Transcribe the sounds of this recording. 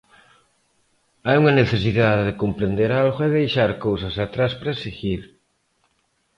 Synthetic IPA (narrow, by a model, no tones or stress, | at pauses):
ajuŋɐneθesiðaðeðɪkompɾend̪eɾalɣoɛðejʃaɾkowsɐsat̪ɾaspɾaesiɣiɾ